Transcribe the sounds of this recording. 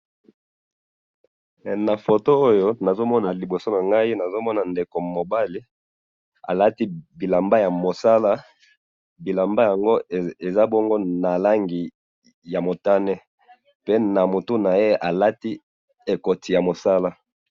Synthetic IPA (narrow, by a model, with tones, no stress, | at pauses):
na˨fo˨to˦o˦jo˦na˨zo˦mɔ˦na˨li˨bo˨so˦na˨ŋɡa˦i˦na˨zo˦mɔ˦na˨nde˨ko˨mo˨ba˦li˦ | a̰˨la˦ti˦bi˨la˨mba˦ja˨mo˨sa˦la˦ | bi˨la˨mba˦ja˨ŋɡo˦e˨za˦bɔ˦ŋɡo˦na˨la˦ŋɡi˨ | ja˨mo˨ta˦nɛ˦ | pe˦na˨mo˨tu˦na˨je˦a˨la˦ti˦ | e˨ko˨ti˨ja˨mo˨sa˦la˦